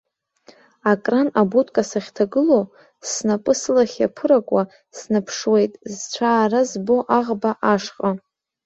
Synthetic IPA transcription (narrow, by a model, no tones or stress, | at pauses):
akʼranabutʰʼkʼasaχʲtʰaɡɨlo̞ | snapʼɨslaχʲapʰɨɾakʷʼa | snapʰʂwe̞jtʼzt͡ɕʷʰaːrazbo̞ʔaʁbaʔaʂqʼa